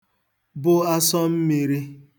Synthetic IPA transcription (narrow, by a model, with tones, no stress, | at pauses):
bʊ˦a˦sɔ˦m̩˦mi˨ɾi˦